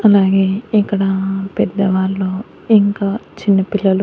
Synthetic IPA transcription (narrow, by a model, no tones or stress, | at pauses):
ɐlaːɡe̞ːikːɐɽɐpɛd̪ːɐʋaːɾloː | iŋkaːt͡ʃinːɐpilːɐlu